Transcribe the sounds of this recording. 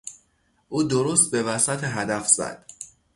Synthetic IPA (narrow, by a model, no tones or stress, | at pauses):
ʔuːd̪oɾost̪̚be̞væsæt̪ʰeɦæd̪æfz̥æ̰d̪̥